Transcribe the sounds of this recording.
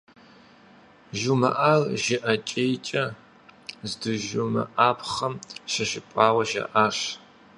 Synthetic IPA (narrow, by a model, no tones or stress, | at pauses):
ʒumɐ̰ʔalʒɪʔɐt͡ʃʼejt͡ʃʼɐ | zdɨʒumɐ̰ʔaːpʰχɐmʃɐʃɪpʷʼɑːwɐʒɐ̰ʔaːʂ